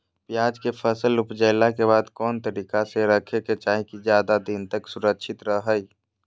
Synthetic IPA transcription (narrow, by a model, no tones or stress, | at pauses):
pjaːd͡ʒkepʰəsəlʊpd͡ʒəɪlakebaːd̪kɔːnt̪əɾiːkaseɾəkʰeket͡ʃaːɦĩkid͡ʒjaːd̪ad̪int̪əksʊɾəkʃʰɪt̪ɾəɦəj